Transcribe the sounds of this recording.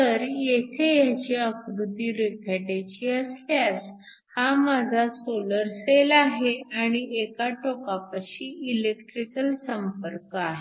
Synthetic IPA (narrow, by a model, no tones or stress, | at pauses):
t̪əɾjet̪ʰejat͡ɕiəkɾud̪ʱːiːɾekʰaʈet͡ɕiːəsljas | hamad͡zʱasoləɾselaɦeaɽ̃iekaʈokapaɕiilekʈɾikəlsəmpəɾkaɦe